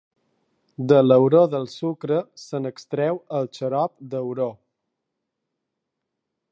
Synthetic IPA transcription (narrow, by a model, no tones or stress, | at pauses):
d̪ələwɾoðəlˠsukɾəsənəkst̪ɾɛwəlˠt͡ʃəɾɔp̚d̪əwɾo